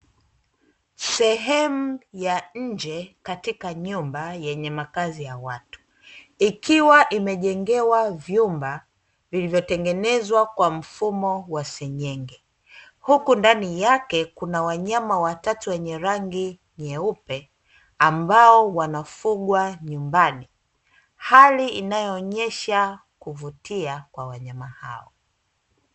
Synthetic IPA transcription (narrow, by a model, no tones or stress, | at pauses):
sɛɦɛmujaɲ̩d͡ʒɛkatikaɲumbajɛɲɛmakazijawatu̥ | ikʰiwaʔimɛʄɛŋɡɛwavjumba | vilivjɔtɛŋɡɛnɛzwakwam̩fumɔwasɛɲɛŋɡɛ | hukundanijakɛkunawaɲamawatatuwɛɲɛɾaŋɡi | ɲɛupɛ | ambaɔwanafuɠwaɲumbani | haliinajɔːɲɛʃa | kuvutiakwawaɲamaha̰ɔ̰